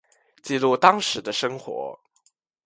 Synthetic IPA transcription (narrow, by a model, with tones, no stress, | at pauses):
t͡ɕi˥˧lu˥˩t̪ɑ˥ŋʂɻ̩˨˧˥d̪ə˧ʂɤ˥ŋxwɔ̰˧˥